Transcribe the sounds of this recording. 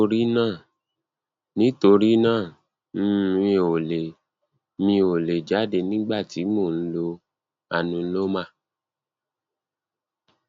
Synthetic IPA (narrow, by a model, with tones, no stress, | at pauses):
o˧ɾi˦nãː˦˨ | nĩ˨˦to˧ɾi˦nãː˦˨ | m̩˦ĩ˧˨o˨le˨ | mĩ˧o˨le˨d͡ʒa˨˦de˧˨nĩ˦ɡ͡ba˦˨ti˨˦mo˦˨n̩˦lo˧ | a˨nũ˨˦lo˦mã˦˨